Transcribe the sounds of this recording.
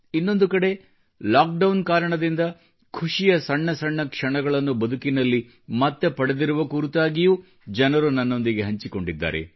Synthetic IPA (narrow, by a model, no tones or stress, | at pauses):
inːo̞nd̪ukɐɽe̞ | laːk̚ɖɐwnkaːɾɐɳɐd̪ind̪ɐ | kʰuʂijɐsɐɳːɐsɐɳːɐkʂɐɳɐɡɐɭɐnːubɐd̪ʱukinɐlːi | mɐt̪ːepɐɽe̞d̪iɾuʋɐkuːɾut̪aːɡijuː | d͡ʒɐnɐɾunɐnːo̞nd̪iɡe̞ɦɐɲt͡ʃiko̞ɳɖid̪ːa̰ːɾe̞̰